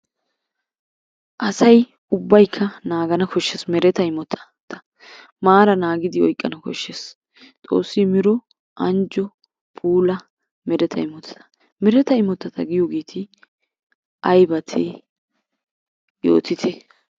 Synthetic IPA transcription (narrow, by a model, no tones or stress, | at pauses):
ʔɐsɐj | ʊbːɐjkʰːɐnaːɡɐnɐkɔʃːesmɛɾɛt̪ɐɪmɔt̪ʰːɐ̥ | t̪ɐ̥ | maːɾɐnaːɡɪd̪ɪɔjkʼːɐnɐkɔ̰ʃːes | t̪ʼo̞ːsːɪmɪɾɔ | ʔɐnd͡ʒɔ | pʰuːlɐ | mɛɾɛt̪ʰɐɪmɔt̪ʰːɐ̥t̪ɐ̥ | mɛɾɛt̪ɐɪmɔt̪ːɐt̪ɐɡɪjoːɡe̞ːt̪ʰɪ | ʔɐjbɐt̪ʰeː | jo̰ːt̪ɪt̪ʰɛ